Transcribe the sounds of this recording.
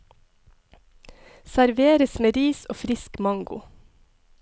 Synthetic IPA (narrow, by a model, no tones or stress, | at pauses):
sæɾʋeːɾəsmeːɾiːso̰ːfɾɪskmɑŋɡʊ̰